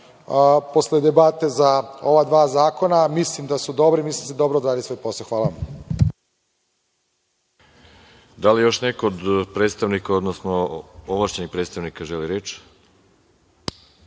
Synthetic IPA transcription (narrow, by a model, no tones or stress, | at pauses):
po̞sled̪ebat̪e̞zao̞ʋad̪ʋaːzaːko̞namislimd̪asud̪o̞bɾimislimsed̪o̞bɾod̪ɾaːd̪isejposoxʋaːlaʋam | d̪alijo̞ʃnekood̪pɾet̪st̪aʋnikaod̪nosnoovlˠaʃt͡ɕenixpɾet̪st̪aʋnikaʒeliɾeːt͡ʃ